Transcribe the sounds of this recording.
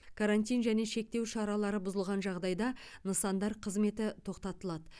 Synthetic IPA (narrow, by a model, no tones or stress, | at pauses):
kʰaɾanʲt̪̬ʲijnʒæne̞ʃe̞k̚t̪e̞wʃɑɾɑlˠɑɾəbʊzəlˠʁɑnʒɑʁd̪ɑjd̪ɑnəsɑnd̪ɑɾqʰəzme̞t̪ɪt̪ʰo̞qt̪ɑt̪əlˠɑd̪ə